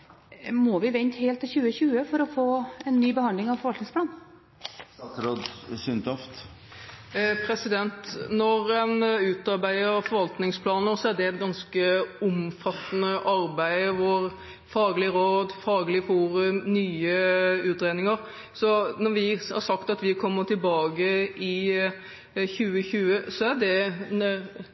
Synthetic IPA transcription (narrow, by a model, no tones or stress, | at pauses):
mɔʋɪʋɛnt̪heːlt̪ʰːɪçʉːəçʉːəfɔɾɔfoːɛnːyːbəhɑnd̪lɪŋɑʋfɔɾʋɑlt̪ɪŋspʰlɑːn | t̪ɾod̪sʏnt̪ɔft̪ | pʰɾɛsɪd̪ɛnt̪nɔɾɛnʉːt̪ɑɾbæɪəɾfɔɾʋɑlt̪nɪŋspʰlɑːnəɾsɔæɖɛnɡɑnskəʊmfɑt̪ːənəʔɑɾbæɪʋoɾ | fɑːɡlɪəɾoːd̪fɑːɡlɪəfuːɾʉmnyːəʉːt̪ɾeːnɪŋəɾ | sɔnɔɾʋɪhɑ̰ɾsɑkt̪ɑt̪ʋɪkʰɔmːət̪ʰɪlbɑːɡəʔɪ | çʉːəçʉːəsɔæd̪ɛ